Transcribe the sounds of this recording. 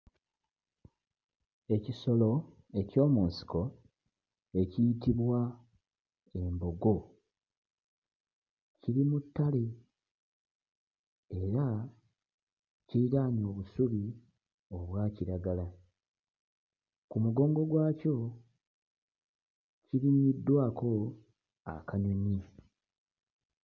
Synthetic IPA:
e̞ciso̞lo̞ | e̞co̞ːmunsi̥ko̞ | e̞cijitiβwa | e̞mbo̞ɡo̞ | ciɾimutːale̞ | eɾa | ciiɾaːɲo̞ːβusuβi | o̞βwaːciɾaɡala | kumuɡo̞ːŋɡo̞ɡwaːco̞ | ciɾiɲidːwaːkʰo̞ | a̰kaɲuɲi

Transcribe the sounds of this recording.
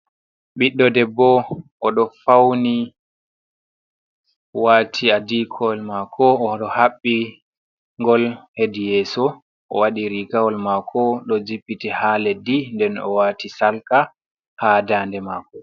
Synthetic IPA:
ɓiɗːɔdɛbːɔʔɔɗɔfawni | watʰiadikʰɔlmakʰɔɔɗɔhaɓːi | ŋɡɔlhedijɛːsɔ | ʔɔ̰waɗiɾikawɔlmakʰɔɗɔd͡ʒipːitihaledindɛnɔ̰waːtisalka | hadaːndɛmakɔ

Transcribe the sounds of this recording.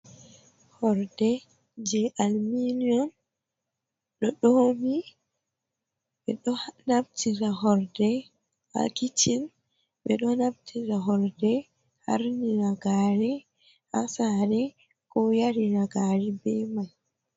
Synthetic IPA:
hɔɾdɛ | d͡ʒɛʔalminiɔn | ɗɔɗomi | ɓɛɗɔnabtʰiɾaɦɔɾdɛ | ha̰kitin | ɓɛɗɔnabtʰiɾaɦɔɾdɛ | ha̰ɾniɾaɡaːɾɛ | ha̰saɾɛ | kɔjaɾiɾaɡaɾibɛmaj

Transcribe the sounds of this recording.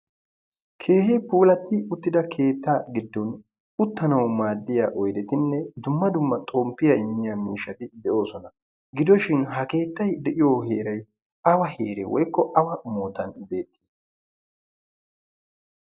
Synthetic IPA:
kʰe̞ːɦepuːlɐt̪ːɪʊt̪ːɪd̪ɐkʰe̞ːt̪ːaːɡɪd̪ːɔn | ʊt̪ːɐnɐwmaːd̪ːɪjaːʔɔjd̪ɛt̪ɪnːɛd̪ʊmːɐd̪ʊmːɐt̪ʼoːmpːɪjɐɪmːɪjamiːʃːɐt̪ɪd̪ɛʔo̞ːsɔnɐ | ɡɪd̪ɔʃɪnɦɐke̞ːt̪ːɐjd̪ɛʔɪjoːhe̞ːɾɐj | ɐwɐheːɾɛ̰wɔjkːɔʔɐwɐmoːt̪ɐnbe̞ːt̪ʰːi̥ː

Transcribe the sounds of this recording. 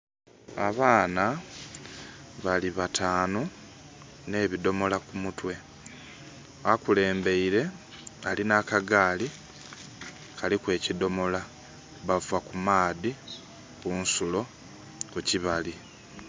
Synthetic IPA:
aβaːna | βaliβatʰaːno | ne̞ːβido̞mo̞lakumutwe̞ | akule̞ːmbe̞iɾe̞ | alinaːkaɡaːli | kalikwe̞ːcido̞mo̞la | βavakumaːði | kuːnsulo̞ | kuciβali

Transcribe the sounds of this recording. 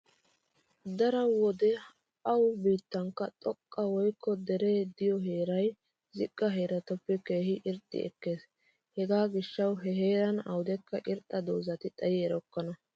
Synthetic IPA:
d̪ɐɾɐwɔd̪ɛ | ɐwbiːt̪ːɐŋkːɐt̪ʼɔkʼːɐwɔjkːɔd̪ɛɾeːd̪ɪjɔɦe̞ːɾɐj | zɪkʼːɐɦe̞ːɾɐt̪ɐpːɛke̞ːhɪʔɪɾt̪ʼːɪ̰ɛ̰kːe̞ːs | hɛɡaːɡɪʃːɐwɦɛɦe̞ːɾɐnɐwd̪ɛkːɐʔɪɾt̪ʼːɐd̪oːzɐt̪ɪt̪ʼɐjɪɛɾɔkːɐnɐ

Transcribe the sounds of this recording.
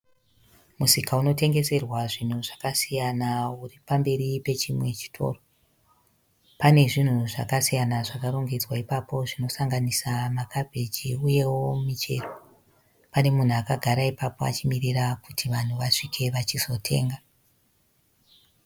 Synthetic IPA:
musikauno̞te̞ŋɡe̞se̞rwaʐin̤uʐakasijanauripambe̞ɾipe̞t͡ʃimwe̞t͡ʃi̥tʰo̞̰ːro | pane̞ʐin̤uʐa̰kasijanaʐakaɾo̞ŋɡed͡zwaipapo̞ʐino̞saŋɡanisamakʰabʱe̞d͡ʒiuje̞wo̞mit͡ʃe̞̰ːro̞ | pane̞mun̤uakaɡʱaɾaipapo̞a̰t͡ʃimirirakutʰiʋan̤uʋaʂikʰe̞ʋat͡ʃizo̞tʰe̞̰ːŋɡa

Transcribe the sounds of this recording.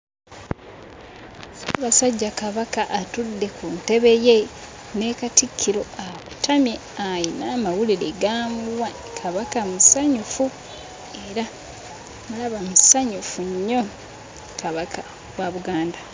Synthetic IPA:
βasaɟːakaβakaʔːtudːe̞kunte̞βe̞je̞ | ne̞katikʰːiɾo̞aβu̥tʰamje | ajinamawuliɾe̞ɡaːmuwa | kʰaβakamusaɲufu | e̞ɾa | mulaβamusaɲufuɲːo̞ | kaβakʰa | βwaβuɡaːnda

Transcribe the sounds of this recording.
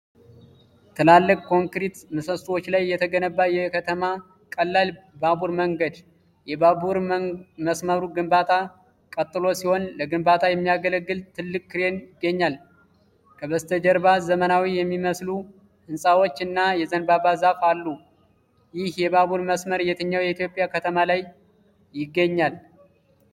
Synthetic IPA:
t̪ʰɨlalːɨkʼkʰo̞ŋkɾit̪mɨsəst̪ʼwot͡ʃːlajːɛt̪ʰəɡənəbːajɛkʰət̪ʰəma | kʼəlːalbabuɾməŋɡəd̪ | jɛbabuɾməsməɾuɡɨmbat̪ʰa | kʼət̪ʼːɨlo̞siho̞nləɡɨmbat̪ʰajɛmːijaɡələɡːɨlt̪ʰɨlːɨkʼːɨɾe̞njɪɡːəɲːal | kʰəβəst̪ʰəd͡ʒɛɾbazəmənawijɛmːiməslu | ʔɨnsʼawot͡ʃːɨnːajɛzənbaβazafalːu | jɪhjɛbaβuɾməsməɾjɛt̪ʰɨɲːawjɛit̪jo̞pʼːjakʰət̪ʰəmalaj | jɪɡːəɲːal

